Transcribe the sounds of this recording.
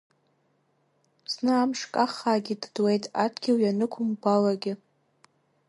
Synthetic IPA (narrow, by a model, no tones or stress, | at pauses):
z̥nɨamʂkʼaχaːɡʲiddwe̞jtʼadʰɡʲiwjanɨkʷʰʊmbalaɡʲɪ